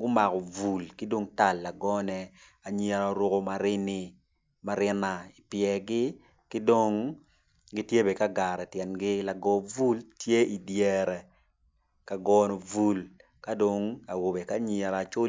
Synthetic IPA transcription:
ɡʊ˦ma˨kɔ˨vu˨lkɪ˦do˦ŋta˨lːa˨ɡɔ˦nɛ | a˨ɲe˨ɾa˨˦ɾo˦ko˦ma˨ɾɪ˦nɪ˨ | ma˦ɾɪ˦na˨i˨pjɛ˨ɡɪ˦ | kɪ˦do˦ŋ | ɡɪ˦tje˦be˨ka˦ɡa˨ɾɛ˨tjɛ˨nɡɪ˦la˨ɡɔ˨vu˦ltje˦i˨djɛ˨ɾɛ˨ | ka˨ɡɔ˦no˨vu˦l | ka˦do˨ŋa˨wo˨be˨ka˦ɲe˨ɾa˨t͡ʃo˦

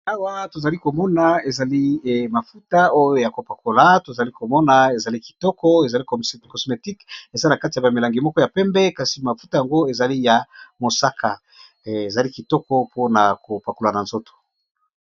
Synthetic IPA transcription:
a˦wa˦to˨za˨li˦ko˨mɔ˦na˨e˨za˨li˦ma˨fu˦ta˦o˦jo˦ja˨ko˨pa˨ko˨la˨to˨za˨li˦ko˨mɔ˦na˨e˨za˨li˦ki̥˨tɔ˦kɔ˦e˨za˨li˦kkɔ˨sme˨ti˦ke˨za˦na˨ka˦ti˨ja˨ba˨mi˨la˨ŋɡi˨mɔ˦kɔ˦ja˨pɛ˦mbɛ˦ka˨si˨ma˨fu˦ta˨ja˨ŋɡo˦e˨za˨li˦ja˨mo˨sa˦kʰa˨ | e˨za˨li˦ki˨tɔ˦kɔ˦pʰo˦na˨ko˨pa˨ko˨la˨na˨nzo˦to̥˨

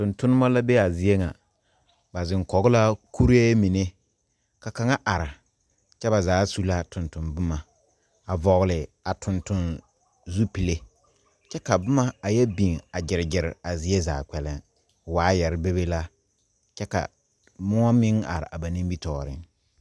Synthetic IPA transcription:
tʊ̃˨ntʊ˦nɪ˦ma˦la˦be˦a˨zɪ˨e˦ŋa̰˨ | ba˨zɪ˨ŋkɔ˨ɣʊ˦la˦ku˦ɾe˦mi˨ne˦ | ka˨ka˨ŋa˦ʔa˨ɾa˨ | t͡ʃɛ˦ba˨zaː˨˦su˦la˦tʊ˨ntʊ˨nbʊ˦ma˨ | a˨vɔ˨ɣlɪ˨a˨tʊ˨ntʊ˦n | zu˦pi˨le˦ | t͡ʃɛ˦ka˨bʊ˦ma˦a˨jɛ˦bi˨ŋa˨d͡ʒɪ˨ɾɪ˨d͡ʒɪ˨ɾɪ̰˨a˨zɪ˨e˦za̰ː˨k͡pɛ˨lɪ˨ŋ | waː˨˦jɛ˨ɾɪ˦be˦be˦la˦ | t͡ʃɛ˦ka̰˨ | mʊ˦a˦mɪ˦ŋa̰˨ɾɪ̰˨ʔa˨ba˨nĩ˦mbi˦tɔː˨ɾɪ̰˨ŋ

